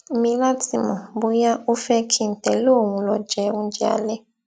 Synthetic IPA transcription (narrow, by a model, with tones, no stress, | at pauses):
mi˦la˦ti˨mɔ˨bu˦ja˦u˦fɛ˦kʰi˨n˨tɛ˨lo˦ŋu˨lɔ˨d͡ʒɛ˨˦u˦nd͡ʒa̰˨lɛ˦